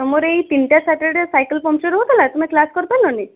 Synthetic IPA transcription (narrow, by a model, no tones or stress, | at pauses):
ɔmoɾeit̪inʈjasaʈeɖsajkəlpɔmt͡ʃeɾɦot̪ʰalat̪um̤eklaskɔɾt̪anɔni